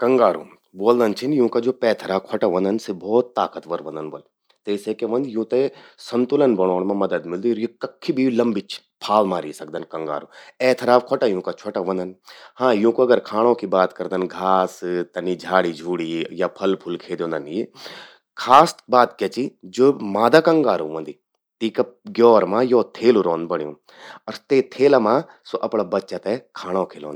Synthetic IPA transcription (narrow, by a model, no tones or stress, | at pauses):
kɐŋɡaːɾṵ̃ | boːld̪ɐnt͡ʃʰinjũːkad͡ʒoːpɛːt̪ʰɾaːkʰɔʈaʋɐ̃nd̪ɐnsebʱɔːt̪ːaːkət̪ʋɐɾʋɐ̃nd̪ənbɐ̰l | t̪eːsekeʋɐ̃nd̪jũːt̪esɐnt̪ulənbɐɽ̃oːnmãmɐd̪əd̪mɪld̪iɔɾjikɐkʰːibʱilɐmbit͡ʃʰpʰaːlmaːɾisɐk̚d̪ɐnkɐ̃ŋɡa̰ːɾõɛːt̪ʰɾaːfkʰɔʈajũːkat͡ʃʰɔʈaʋɐ̃nd̪ɐnhãːjũːkuɐɡəɾkʰaːɽ̃õːkibaːt̪kɐɾd̪ənɡʱaːst̪ɐniːd͡ʒʱaːɽid͡ʒʱuːɽiːjaːpʰɐlpʰʊlkʰeːd̪õːnd̪ənje | kʰaːsbaːt̪kjet͡ʃid͡ʒoːmaːd̪akɐŋɡaːɾuʋɐ̃nd̪iː | t̪iːkaɡjɔːɾmãjoːt̪ʰeːluɾoːnbɐɳ̃jõ | ɐɾt̪eːt̪ʰeːlamãː | soʔɐpɽaːbɐtːʃat̪ekʰaːɽ̃õːkʰeːlõːn